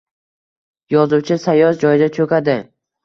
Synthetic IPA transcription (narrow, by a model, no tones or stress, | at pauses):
jɒzuwt͡ʃʰɪsajɒsd͡ʒɒjɪd̪at͡ʃʰɵkʲad̪ɪ